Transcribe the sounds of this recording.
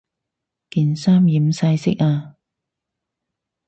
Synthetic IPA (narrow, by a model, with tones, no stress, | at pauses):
kiː˨˩nsaː˥mjiː˨˦msɐ˧jsɪ˥k̚aː˧